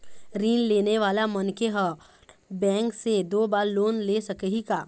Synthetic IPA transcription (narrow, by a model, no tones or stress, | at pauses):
ɾiːnleːneʋaːlamɐnkeɦɐ | bɛ̃ːŋksed̪oːbaːɾloːnleːsɐkəɦikaː